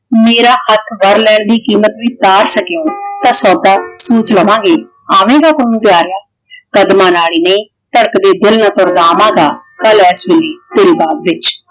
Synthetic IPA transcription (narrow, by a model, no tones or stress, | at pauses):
meːɾaːhət̪ʰʋəɾlɛːɳd̪iːkiːmət̪ʋiːt̪aːɾsəkejõːt̪ãːsɔːd̪aːsuːt͡ʃləʋãːɡeː | aːʋẽːɡaːkʊnũːpjaːɾɪjaː | kəd̪maːnaːɽiːnəĩː | t̪əɽəkd̪eːd̪ɪlnaːt̪õːɾnaːmãːɡaːkəlɛːsʋɪleːt̪eːɾiːbaːd̪ʋɪt͡ʃ